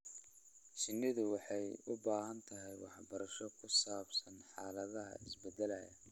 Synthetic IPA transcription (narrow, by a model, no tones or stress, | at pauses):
t͡ʃɪnːɪðʊwɑħɑjʊbaːɦɐnt̪ʰɐɦɛjwɑħbɐɾɐʃɔkʰʊsaːbsɐnħɑːlɐðɐɦɐ̰ɪsbɛd̪ɛlæjɐ